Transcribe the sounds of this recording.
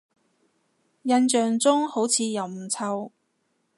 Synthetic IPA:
jɐ˧nt͡ʃœː˨ŋt͡sʊ˥ŋho˨˥wt͡sʰiː˨˧jɐ˨wm̩˨˩t͡sʰɐ˧w

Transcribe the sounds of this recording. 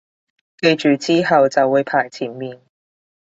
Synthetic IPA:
ke˧jt͡ʃyː˨˩t͡siː˥ɦɐ˨wt͡sɐ˨wːuː˨˧jpʰaː˨˩jt͡sʰiː˨˥nmiː˨n

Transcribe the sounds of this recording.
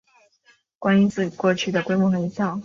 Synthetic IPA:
kwa˥ni˧˥nt͡sɹ̩˥˩kwɔ˥˧t͡ɕʰy˥˩d̪ə˩kwe˥ɪmwɔ˥˩xɤ˧i˧˥t͡sɑ˥˩ʊ

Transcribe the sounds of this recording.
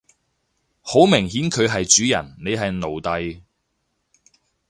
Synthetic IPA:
ho˨˥wmɪ˨˩ŋɦiː˨˥nkʰɵ˨˧ɥɦɐ˨jt͡ʃyː˨˥jɐ̰˨˩nne˨˧jɦɐ˨jno˨˩wt̪ɐ˨j

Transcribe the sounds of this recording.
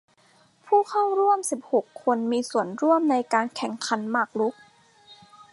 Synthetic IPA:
pʰuː˥˩kʰa˥˩wɾu˥˩əmsi˨˩p̚ho˨˩kʰːo˧nmiː˧su˨˩˦ənɾu˥˩əmna˧jkaː˧nkʰɛ˨˩˦ŋkʰa˧˥˦nmaː˥˩k̚lu˦˥k̚

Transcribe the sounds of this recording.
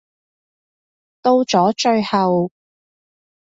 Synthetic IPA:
t̪o˥˧wt͡ʃɔː˨˥t͡ʃɵ˧ɥhɐ˨w

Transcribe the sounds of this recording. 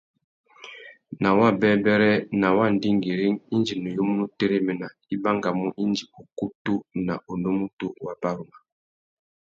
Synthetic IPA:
na˨wa˦˨bɛ˦bɛ˦ɾɛ˦na˨wa˦˨n˨di˦ŋɡi˨ɾi˦ŋi˦nd͡ʒi˨nu˨jo˦mu˦nu˦te˦ɾe˦mɛ˨na˨ | i˦ba˦ŋɡa˨mu˦ʔi˦nd͡ʒi˨o˨ku˦tu˦na˨o˨no˦mu˦tu˦wa˨ba˦ɾu˨ma˨

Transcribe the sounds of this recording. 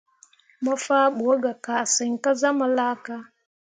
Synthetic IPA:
ma˦fa˦ɓu˨o˦ɡa˨ka˨sə˨ŋ˨ka˦za˦ma˨la˦ka˦

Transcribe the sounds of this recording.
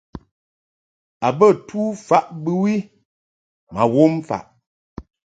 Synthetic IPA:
a˨bə˦˨tʰuː˦fa˦ʔbɨ˦wi˦ | ma˨wo˦m˦fa̰˨ʔ

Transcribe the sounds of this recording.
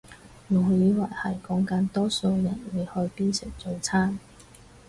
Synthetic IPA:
mu˨˩jiː˨˥waː˨˩jhɐ˨˩jkɔː˨˥ŋkɐ˨˥nt̪ɔː˥so˧wjɐ˨˩nwe˨˧jhɵ˧ɥpiː˥nsɪ˨k̚t͡so˧wt͡sʰaː˥n

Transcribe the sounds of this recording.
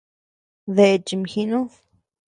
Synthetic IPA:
ðe˨t͡ʃi˨mxi˧nũ˦ð

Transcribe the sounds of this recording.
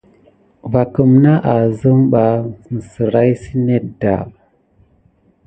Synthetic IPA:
va˨kə˨mna˦ʔa˨zə˦mɓa˨n˨sə˨ɾa˦jsi˦ne˦da̰˨

